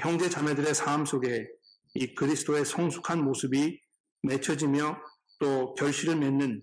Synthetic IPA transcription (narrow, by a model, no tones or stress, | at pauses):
çjʌŋd͡ʑe̞t͡ɕamedɯɾe̞sʰaːms͈ʰoɡe̞ | ikɯɾisʰɯ̥doe̞sʰʌŋsʰu̥kʰanmosʰɯbi | me̞t͡ɕʰʌd͡ʑimjʌ | t͈okjʌɭɕ͈iɾɯɭmenːɯn